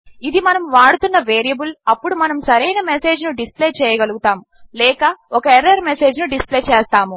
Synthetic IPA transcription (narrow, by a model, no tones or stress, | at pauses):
id̪imɐnɐmʋaːɽut̪unːɐʋeːɾijɐbulɐpːuɽumɐnɐmsɐɾɛjnɐmese̞ːd͡ʒnuɖispleːt͡ʃɛːjɐɡɐluɡut̪aːm | lɛːkɐɔkɐeɾɐɾmese̞ːd͡ʒnuɖispleːt͡ʃɛːst̪aːmu